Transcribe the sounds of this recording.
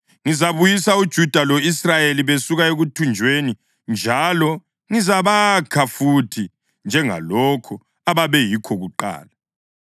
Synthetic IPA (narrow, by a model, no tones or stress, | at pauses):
ŋizaβujisaud̥ʒ̥ʱud̥ʱalɔisrajeliβesuɣaeɣutʰund͡ʒʱweːni | nd͡ʒʱalɔ | ŋizaβakʰafutʰi | nd͡ʒʱɛŋa̰lɔkʰɔ | aβaβɛjikʰɔɣuǃa̰ːla